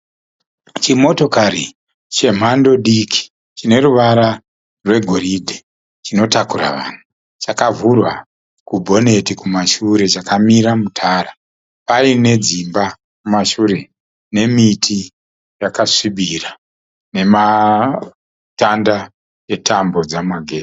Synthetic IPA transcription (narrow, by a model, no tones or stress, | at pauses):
t͡ʃimo̞to̞kaɾi | t͡ʃe̞m̤ando̞ɗikʰi̥ | t͡ʃine̞ruʋaɾa | rwe̞ɡʱo̞ɾidʱe | t͡ʃino̞takura̰ʋa̰ːn̤u | t͡ʃakavurwa̰ | kubʱo̞ne̞tikumaʃuɾe̞t͡ʃakamiɾamutʰaːɾa | paine̞d͡zimba | kumaʃuɾe̞ | ne̞mitʰi | jakaʂiɓira | ne̞ma | tanda | e̞tʰambo̞d͡zamaɡʱeː